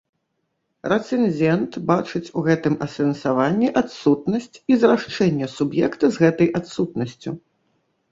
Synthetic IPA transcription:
rɛt̪sɛnʲd͡zʲɛnt̪bat͡ʂɨt͡sʲuɣɛt̪ɨmɐsɛnsavanʲːiʔat̪sut̪nɐsʲt͡sʲizraʂt͡ʂɛnʲːɛsubjɛkt̪ɐzɣɛt̪ɐjat̪sut̪̚nɐsʲt͡sʲu

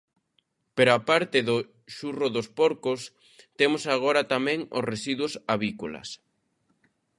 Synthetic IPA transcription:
peɾoapaɾt̪eðʊ | ʃurʊðospɔɾkʊs | t̪emʊsaɣ̞oɾɐt̪amɛ̃ŋo̰sresiðwʊsaβikolɐ̰s

